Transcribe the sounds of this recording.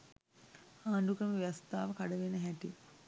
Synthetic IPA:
aːɳɖukɾəməijast̪aːʋəkaɽəʋenːəɦæʈi

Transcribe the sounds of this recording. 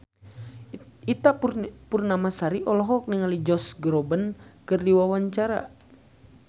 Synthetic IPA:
it̪apurnamasaɾiʔɔlɔɦɔk̚niŋalid͡ʒɔsɡɾɔbənkɨrdiwawaɲt͡ʃaɾa̰

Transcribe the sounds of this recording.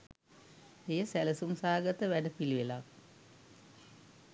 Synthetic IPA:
ejəsæləsumsaːɡət̪əʋæɖəpiliʋela

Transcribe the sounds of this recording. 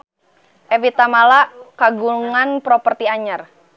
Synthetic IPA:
ʔɛvit̪amalaʔkaɡuŋanpɾɔpərt̪iaɲər

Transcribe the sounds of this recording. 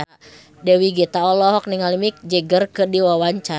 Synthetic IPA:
dɛwiɡit̪aɔlɔɦɔk̚niŋalimik̚d͡ʒəɡərkədiwawaɲt͡ʃa

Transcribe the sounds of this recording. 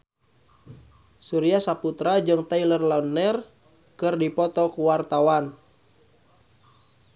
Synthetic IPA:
suɾiasaput̪ɾad͡ʒɨŋt̪ailərlaunːər | kɨrdipɔt̪ɔkuwart̪awan

